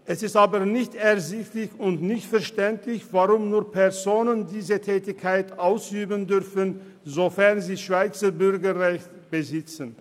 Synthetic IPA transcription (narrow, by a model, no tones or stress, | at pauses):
ʔɛsɪstʔaːbənɪçtɛɐzɪçtlɪçʊntnɪçtfɛɐʃtɛntlɪçv̥aʁʊmnuːɐpʰɛʁzoːnəndiːzətʰɛːtɪkʰːaɪtʔaʊsʔyːbəndʏʁfən | zofɛʁnziːʃv̥aɪt͡sɐbʏʁɡɐʁɛçt | b̥əzɪt͡sən